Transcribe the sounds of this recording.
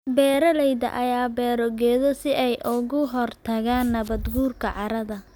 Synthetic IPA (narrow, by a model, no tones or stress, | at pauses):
bɛːɾɐlɛjðɐ̰ʔɐjaːbɛːɾɔɣɛːðɔsɪʔɛjʔʊɣʊɦɔrt̪ʰɐɣaːnːɐβɐd̪ɡuːrkʰɐʕɑɾɐðɐ